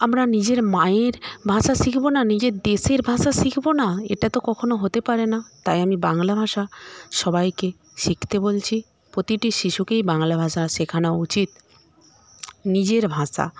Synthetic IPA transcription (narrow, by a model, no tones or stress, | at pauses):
amɾanid͡ʑeɾmaeɾbʱãʃaʃikʰbonanid͡ʑeɾd̪eʃeɾbʱãʃaʃikʰbonaḛʈat̪okɔkʰonoɦot̪epaɾenat̪ajamibaŋlabʱaʃaʃɔbajke | ʃikʰt̪ebolt͡ɕʰi | pɾot̪iʈiʃiʃukejbaŋlabʱaʃaʃekʰanaout͡ɕit̪ | nid͡ʑeɾbʱãʃa̰